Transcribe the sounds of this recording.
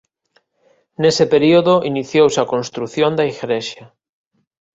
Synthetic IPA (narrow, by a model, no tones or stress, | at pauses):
nesepeɾioðoʔiniθjowsɐkonst̪ɾuθjond̪aiɣɾeʃɐ